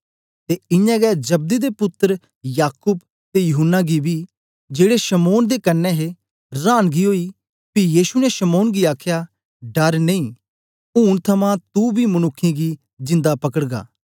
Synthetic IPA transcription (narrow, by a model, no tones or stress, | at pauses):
t̪eɪ̃jãːɡɛd͡ʒɐb̚d̪id̪epʊt̪ːəɾ | jaːkʊːb | t̪ejʊɦʊnːaɡibi | d͡ʒeːɽeʃɐmoːnd̪ekɐnːɛɦe | ɾaːnɡiɦoːi | pijiːʃunɛeʃɐmoːnɡiaːkʰja | ɖɐɾnɐ̃ĩː | uːnt̪ʰɐmãt̪ubʱimɐnʊkʰːĩɡi | d͡ʒɪ̃nd̪apɐkəɽɡa̰ː